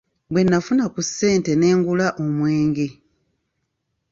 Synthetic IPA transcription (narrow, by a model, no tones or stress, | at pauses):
bwe̞nːafunakusːe̞ːnte̞ne̞ːŋɡulaʔomweːŋɡe